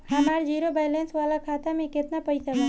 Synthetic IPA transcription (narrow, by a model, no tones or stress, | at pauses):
hɐmaːɾd͡ʒiːɾobaːleːnsʋaːlakʰaːt̪amẽkɪt̪napɐisɐɡa